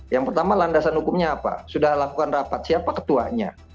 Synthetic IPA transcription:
jaŋpərt̪amalandasanhukʊmɲaːpa̰sudahlakukanrapat̪̚siapakə̥t̪ua̰ɲa̰

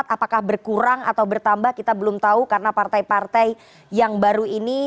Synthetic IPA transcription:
t̪apakahbərkuɾaŋa̰t̪awbərt̪ambahkit̪abəlʊmt̪aukarnapart̪aipart̪ai | jaŋbaɾuini

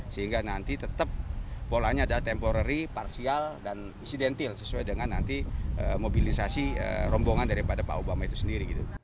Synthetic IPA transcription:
səɦiŋɡanant̪it̪ət̪əp̚ːolaɲaːdalat̪ɛmpoɾaɾiparsialdan | insidɛnt̪ɪlsəsuajdəŋanːant̪iʔə̰mobilisasiə̰ɾɔmboŋandaɾipadapa̰ʔubamait̪u̥səndiɾiɡit̪u

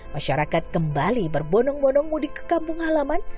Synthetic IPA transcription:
maʃaɾakat̪̚kəmbalibərbɔnɔŋbɔnɔŋmudɪkə̥kampʊŋhalaman

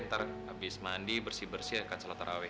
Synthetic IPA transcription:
nt̪arabɪsmandibərsibərsiakansalat̪aɾʔawɛ

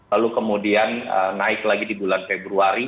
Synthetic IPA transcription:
alukəmudianə̰naɪklaɡidibulanfebɾuaɾi

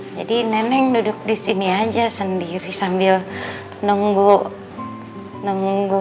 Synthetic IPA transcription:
d͡ʒadinɛnɛŋnuduk̚disiniad͡ʒasandiɾisambil | nɔŋɡɔ | nɔŋɡu

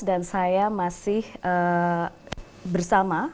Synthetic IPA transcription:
dansajamasɪhə | bərsama

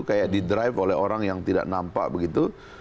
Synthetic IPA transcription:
kajaʔdidɾajfolɛɦoɾaŋjaŋt̪ida̰ʔnampa̰ʔbəɡit̪u

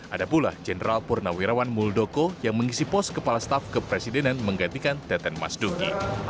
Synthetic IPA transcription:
ʔadapula̰hd͡ʒɛnəɾalpurnawiɾawanmuldokojaŋməŋisipɔskəpalast̪afkəpɾesidenanməŋɡant̪ikant̪ɛt̪ɛnma̰sdukḭ

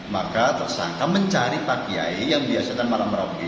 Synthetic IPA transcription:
makat̪ərsa̰ŋkaməɲt͡ʃaɾipakia̰ejaŋbiasaɲamalamɾaki

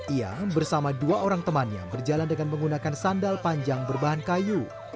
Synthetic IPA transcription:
ʔia̰bərsamaduaoɾaŋt̪əmanɲa̰bərd͡ʒalandəŋanməŋɡunakansandalpaɲd͡ʒaŋbərbaɦankaju

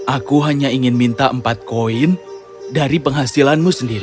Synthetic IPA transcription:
ʔakuɦaɲaiŋɪnmint̪aʔəmpat̪̚koɪn | daɾipəŋɦasilanmusəndiɾi

